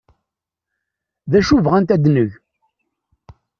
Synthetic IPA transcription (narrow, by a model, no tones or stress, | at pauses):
ðæʃuvʁænt̪æd̪nəʝ